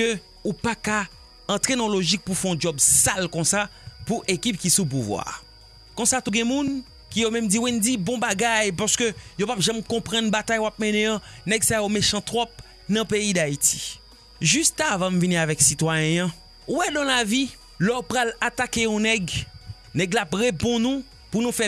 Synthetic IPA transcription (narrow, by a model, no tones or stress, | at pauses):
ø | upaka | ɑ̃t̪ʁenɐ̃loʒik̚pufɛɔ̃d͡ʒɔbsalkɔ̃sapuʔekip̚kisup̬uvwa̰ː | kɔ̃sat̪uɡɛ̃mũn | kijomɛ̃md͡ziwind͡zibɔ̃baɡajpaskøjopapʒɛ̃mkɔ̃pʁɐ̃nbat̪ajoap̚mɛ̃nẽãnɛɡsajomeʃɑ̃t̪ʁɔp̚ | nɐ̃peid̪ait̪i̥ | ʒyst̪avãm̩vinĩavɛksit̪wajɛ̃jɐ̃ | wɛdãlavi | lɔpʁalat̪akejɔ̃nɛɡ | nɛɡlapʁepɔ̃nũ | punũfɛ